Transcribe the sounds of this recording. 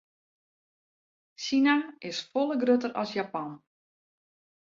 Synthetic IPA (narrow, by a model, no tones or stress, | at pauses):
sinamɪsfolˠəɡrøtəɾɔsjapɔn